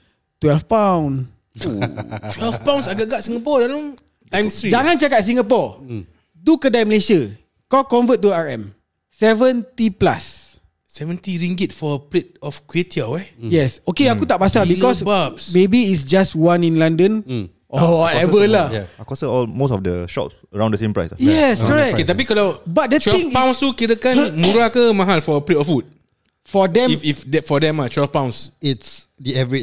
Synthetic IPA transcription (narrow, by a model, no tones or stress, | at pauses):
t̪wɛlfpãw̃n | twɛlfpãw̃nsaɡaʔɡaʔsĩŋɡapɔdalãŋ | tãj̃mstɾid͡ʒaŋãnt͡ʃakat̚s̬ĩŋɡapɔ | dukədajməlesiə | kɔwkɔ̃nvət̚ːuaɹɛ̰̃m | sɛvə̃nt̪ipla̰sː | ɛvə̃nt̪iɹĩŋɡit̚fɔəpɾet̚ɔfkwetiawɛjɛsokeakut̪aʔ̚pasabikɔsbapsmebiːtsd͡ʒaswãnĩnlãndə̃n | ʔɔwɔtɛvəlajɛakɔsəɔlmosɔfdəʃɔ̰ts | əɹãw̃ndəsẽmpɹa̰jsjɛskkɔɹɛk̚ket̪apikɔlawbat̚dət͡ʃwɛĩŋpãw̃nst̪ukiɾəkãnlənmuɾakəmaɦalfɔəpletɔfut̚ | fɔdɛ̃mififdɛfɔdɛ̃mat͡ʃwɛlfpãw̃nsitsdiɛvəɹit͡ʃ